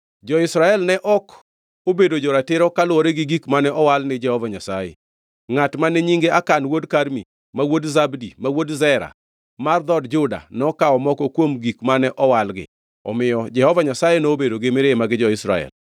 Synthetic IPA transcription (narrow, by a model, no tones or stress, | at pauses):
d͡ʒɔɪsɾaɛlnɛʔɔk | obedod͡ʒɔɾatɪɾɔkalʊwɔɾeɡɪɡikmanɛʔɔwalnɪd͡ʒɛhɔvaɲasajḛ | ŋatmanɛɲiŋɡeakanwodkaɾmḭ | mawodzabdimawodzɛɾa̰ | mard̪ɔdd͡ʒʊda̰nɔkaɔmɔkɔkwomɡikmanɛʔɔwalɡɪ̰ | ɔ̰mɪjɔd͡ʒɛhɔvaɲasajenoːbedoɡemɪɾemaɡɪd͡ʒɔɪsɾa̰ɛ̰l